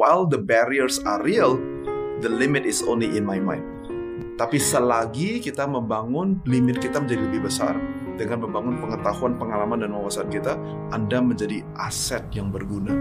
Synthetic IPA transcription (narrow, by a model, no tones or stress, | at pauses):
wajld̪əbaɾiərsariəl | d̪əlimɪt̪ɪso̰nliʔɪnmajmã̰jnd̚ | t̪apisəlaɡikit̪aməmbaŋʊnlimɪt̪̚kit̪aməɲd͡ʒadiləbɪhbəsa̰r | dəŋanməmbaŋʊnpəŋət̪ahuanpəŋalamandanwawasaankit̪a | ʔandaməɲd͡ʒadiʔasɛt̪̚jaŋbərɡuna